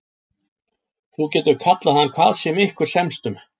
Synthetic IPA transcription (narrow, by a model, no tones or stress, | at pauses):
θucɛːt̪ʏɾ̥kʰat̪laθanːkʰv̥aːðsjɛmɪhkʏɾ̥sɛmst̪ʏm